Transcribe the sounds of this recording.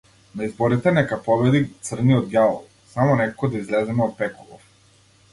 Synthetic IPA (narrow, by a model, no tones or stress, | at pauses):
naizbɔɾit̪ɛnɛkapɔbɛd̪it̪sr̩niɔd̪̚ɡʲjalˠɔlˠ | samɔnɛkakɔd̪aizlɛzɛmɛɔt̪̚pɛkɔlˠɔf